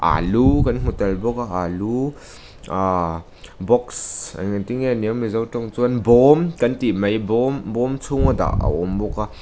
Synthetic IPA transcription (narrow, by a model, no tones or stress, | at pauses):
ʔa̰lukɐnŋ̥utɐlbɔkaʔalu | a | bɔksa̰ŋatiŋeniamizawtɔŋt͡suɐnbɔmkɐntimɐjbɔmbɔmt͡sʰuŋɐd̪a̰ʔa̰ʔɔmbɔka